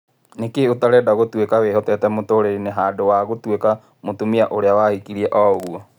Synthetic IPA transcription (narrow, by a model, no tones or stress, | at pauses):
nekeotaɾɛdaɣotwekaweɦɔtɛtɛmotoɾeɾineɦaːdowaɣotweka | motumiaʔoɾeawahikiɾiɛʔɔɣuɔ